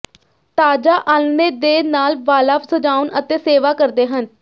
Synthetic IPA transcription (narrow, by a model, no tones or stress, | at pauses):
t̪aːd͡ʒaːʔaːlneːd̪eːnaːlʋaːlaːpsəd͡ʒaːʊnət̪eːseːʋaːkəɾd̪eːɦən